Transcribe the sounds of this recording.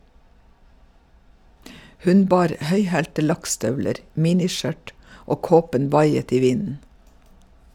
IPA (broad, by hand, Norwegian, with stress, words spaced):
ˈhʉn ˈbɑːɾ ˈhœʏhæːltə ˈlɑkˌstœʋləɾ ˈmiːnɪˌʃœʈ ˈoː ˈkoːpən ˈʋɑɪət ˈiː ˈʋɪnn̩